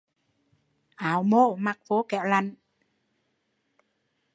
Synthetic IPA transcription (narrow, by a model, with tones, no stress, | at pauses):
ʔaː˨˦wmo̰˧˨maː˨˩k̚fo˨˦kɛ̰˧˨wla˨˩n